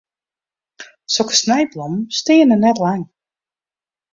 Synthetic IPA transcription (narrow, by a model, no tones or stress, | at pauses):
sokə̥snɛjblumstɪənənɛtlaŋ